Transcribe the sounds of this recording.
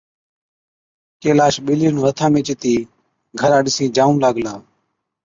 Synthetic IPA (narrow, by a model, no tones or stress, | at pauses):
keːlaːʃɓiːliːnũːɾət̪ʰãːmẽːt͡ʃɪt̪iː | ɡʱəɾãːɗɪsĩːd͡ʒaːũːlaːɡlaː